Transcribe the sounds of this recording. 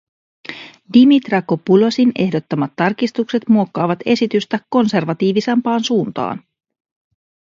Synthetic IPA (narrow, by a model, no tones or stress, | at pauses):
dimit̪rɑkopulo̞sine̞hdo̞t̪ːɑmɑt̪ːɑrkist̪ukse̞t̪muo̞kːɑːʋɑt̪e̞sit̪yst̪ækːo̞nse̞rʋɑt̪iːʋisempɑːnsuːnt̪ɑ̰ːn